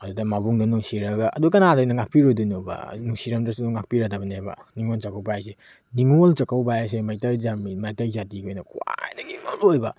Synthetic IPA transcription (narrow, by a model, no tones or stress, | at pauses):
ɐdudɐmabuŋdɐnuŋsiɾɐɡaʔɐ̰dukɐnadojnɐŋak̚pʰiɾojdunuba̰nuŋsiɾɐmdasuduŋak̚piɾadɐbɐnebɐ̰niŋolt͡ʃakawbajase | niŋolt͡ʃɐkawbajas̬emajtajzammajtajzatiojnɐkua̰jnaɡimalojba